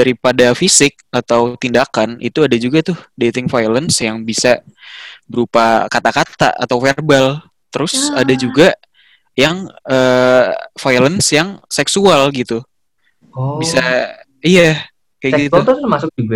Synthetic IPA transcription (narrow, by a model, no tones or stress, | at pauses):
daɾipadafisɪk̚at̪awt̪indakanʔḭt̪uadad͡ʒuɡat̪ʊhdet̪ɪŋfajlənsjaŋbisa | bəɾupakat̪akat̪a̰ʔa̰t̪awferbal | t̪əɾʊsadad͡ʒuɡa | jaŋəːfajlənsjaŋsɛksualɡit̪u | bisa | ija | kajɡit̪ut̪masʊk̚uɡa